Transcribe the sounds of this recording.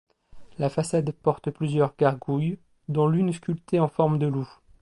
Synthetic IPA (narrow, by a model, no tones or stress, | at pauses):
lafasad̪pɔʁt̪plyzjœʁɡaʁɡuj | d̪ɔ̃lynskʲylt̪eɑ̃fɔʁmd̪əlu